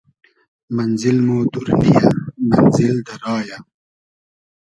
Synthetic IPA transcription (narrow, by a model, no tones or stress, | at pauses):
mɐnzilmoːd̪uɾnḭjamɐnzild̪ɐɾɑːja